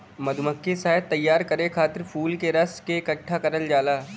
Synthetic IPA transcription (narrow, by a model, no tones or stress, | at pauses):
mɐd̪ʱʊməkːesaːɦɪd̪̚t̪ːɐjːaːɾkɐɾekʰaːt̪ɪɾpʰuːlkeɾɐskekɐʈʰːakɐɾəld͡ʒaːlaː